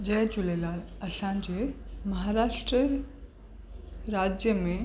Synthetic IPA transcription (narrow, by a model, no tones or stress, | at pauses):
d͡ʑɐːd͡ʑʊlelaːlɐsãːɲd͡ʑemɐɦaːɾaːʃʈɾə | ɾaːd͡ʑjəmẽ